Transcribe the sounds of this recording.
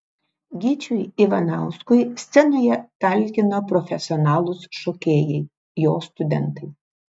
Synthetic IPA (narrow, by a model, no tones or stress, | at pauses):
ɡʲit͡ʃʲʊjiʋɐnɑˑʊskʊjsʲt̪sʲɛnoːjɛt̪ɐˑlʲkʲɪnoːpɾɔfʲɛsʲɪɔnɑːlˠʊsʃɔːkʲeːjɛɪ | joːst̪ʊd̪ʲɛ̰nt̪ɐɪ